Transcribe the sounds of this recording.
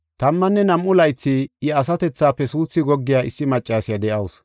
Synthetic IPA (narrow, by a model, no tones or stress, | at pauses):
t̪ɐmːɐnːɛnɐmʔʊlɐjt͡sːɪɪɐs̬ɐt̪ɛt͡sːaːpɛsuːt͡sːɪɡɔɡːɪjaːʔɪsːɪmɐt͡ʃʼːaːsɪjɐd̪ɛʔɐwʊs